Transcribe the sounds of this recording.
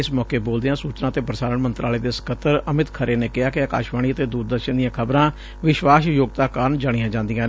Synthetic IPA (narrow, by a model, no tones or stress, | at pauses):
ɪsmɔːkeːboːld̪eãːsuːt͡ʃnãːt̪eːpɾəsaːɾəɳmənt̪ɾʔaːleːd̪eːsə̥kʰət̪ːəɾəmɪt̪kʰəɾeːneːkɪaːkɪaːka̰ːʃʋaːɳ̃iːət̪eːd̪uːɾd̪əɾʃənd̪ijãːkʰəbɾãː | ʋɪʃʋaːsjoːɡ̚t̪aːkaːɾəɳd͡ʒaːɽ̃ɪjãːd͡ʒãːnd̪ijãː